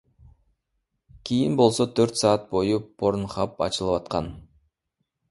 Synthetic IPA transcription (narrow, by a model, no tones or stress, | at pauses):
kʲʰijinbo̞lˠsot̪ʰøɾt̪sɑːt̪̚bo̞jupʰo̞ɾnχɑpɑ̰t͡ʃɯlˠɯpɑt̪̚qɑn